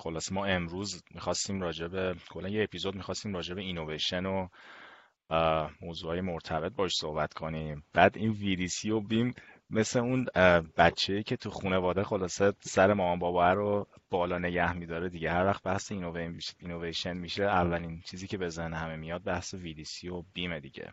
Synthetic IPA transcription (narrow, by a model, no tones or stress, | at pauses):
xo̞lɒːsemɒːe̞mɾuːzmixɒːst̪iːmɾɒːd͡ʒe̞be̞kʰolːænjeepʰizo̞d̪̚mixɒst̪iːmɾɒːd͡ʒe̞beino̞veʃe̞no | moːzuːɒːje̞mo̞ɾt̪ʰæbe̞t̪̚bɒːheʃso̞hbæt̪kʰo̞nimb̥æːd̪ʔinvid̪iːsijobimː | e̞sle̞unbæt͡ʃʰːeiːcʰe̞t̪ʰuxune̞vɒːd̪exo̞lɒːsesæɾemɒːmɒːmbɒːbɒæɾob̥ɒːlɒːne̞ɟæhmid̪ɒːɾed̪iɟehæɾvæxt̪̚bæhseinovemino̞vejʃenmiʃeævːælint͡ʃʰiːziːcʰe̞be̞zehnhæme̞mijɒd̪̚bæhsevid̪iːsiobimed̪ḭɟḛ